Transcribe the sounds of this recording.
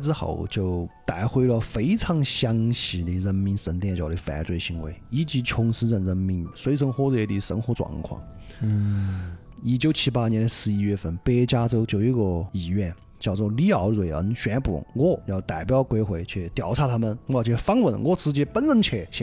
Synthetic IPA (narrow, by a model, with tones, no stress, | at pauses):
ʈ͡ʂɹ̩˥xɑ̰˨˩ʊt͡ɕjo˥˩ʊt̪a˨˩ɪxwe˥ɪlə˧fe˧˥ɪt͡sʰɑ˧˥ŋɕjɑ˥ŋɕi˧˩d̪ə˧ɻə˧˥nmi˧˥nʂə˧˥nt̪jɛ˥˧nt͡ɕjɑ˧˩ʊɾə˧˥fa̰˨˩na̰˧˥t͡swe˥˩ɪɕi˧˥ŋwḛ˧˥ɪi˧˥˩t͡ɕi˧˥t͡ɕʰʊ˧˥ŋsɹ̩˥ə˥˧nɻə˧˥nmi˧˥ŋswe˧˥ɪʈ͡ʂʰə˧˥ŋxwɔ˥lwe˥˧˩d̪ə˧˩ʂə̰˧˥nxwɔ˧˥t͡swɑ̰˨˩ŋkʰwɑ̰˥˩ŋ | i˧˩t͡ɕjo˧˥ʊt͡ɕʰi˧˥pa˥njɛ˧˥nd̪ə˧ʂɹ̩˧i˧˥ɥɛ˥˧fə˧˩npɛ˧˥t͡ɕja˥t͡so˥ʊt͡ɕjo˥˧˩i˧˥ɡɔ˧i˨˩ɥɛ˥˩n | t͡ɕjɑ˥˧ʊt͡swɔ˥˩li˥˩ɑ˧˥ʊɻwe˨˧˩ɪə̰˧˥nɕɥɛ˧˥n˥pu˨˩wɔ˥˩jɑ˥˩ʊt̪a˨˩ɪpjɑ˥˧ʊkwe˥ɪxwe˧˥ɪt͡ɕʰɛ˥˩t̪jɑ˨˩ʊt͡sʰa˥˩t̪ʰa˥mə˨nwɔ˥˧˩t͡ɕʰɛ˥˩fɑ˥ŋwə˧˩nwɔ˥˩t͡sɹ̩˧˥t͡ɕjɛ˥pə˥nɻə˧˥˩nt͡ɕʰɛ˧˥˩t͡ɕʰɛ˧˥